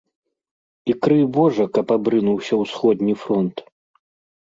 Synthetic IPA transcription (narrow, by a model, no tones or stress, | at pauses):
ikɾɨbɔʐɐkɐpabɾɨnuwsʲɐwsxɔd̪ʲnʲifɾɔnt̪